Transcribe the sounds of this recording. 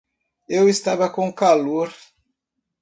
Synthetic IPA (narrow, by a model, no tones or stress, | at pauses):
ewest̪avɐkõkaloɾ